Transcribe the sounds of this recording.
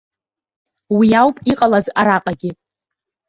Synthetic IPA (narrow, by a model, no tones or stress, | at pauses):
wiawpʼiqʼalazaɾaqʼaɡʲɪ